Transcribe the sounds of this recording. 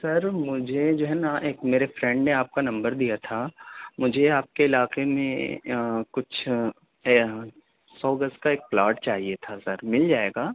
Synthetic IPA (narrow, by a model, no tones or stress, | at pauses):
sɐɾmʊd͡ʒʱed͡ʒoːɦɛnaʔeːkmeːɾefɾɛ̃ɳɖneaːp̚kanɐ̃mbəɾd̪ijat̪ʰamʊd͡ʒʱeaːp̚keɪlaːqemẽ | kʊt͡ʃʰ | sɔːɡəs̚kaeːk̚plaːɾʈ̚t͡ʃaːɦiet̪ʰasɐɾmɪld͡ʒaːeːɡaː